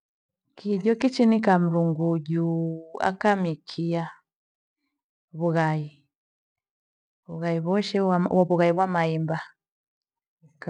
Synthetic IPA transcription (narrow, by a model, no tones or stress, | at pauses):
kʰiɟɔkit͡ʃinikam̩ɾuŋɡuɟua̰kamikʰia | βuɣai | βuɣaiβɔʃɛaaβuɣaiβwamaimba